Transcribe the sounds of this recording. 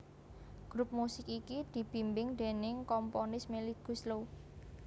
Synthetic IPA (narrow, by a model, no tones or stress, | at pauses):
ɡ̥ɾup̚musɪkikid̪̥i̤b̥i̤mbɪŋd̪̥e̤nɪŋkɔmponɪsmeliɡ̥ṳslo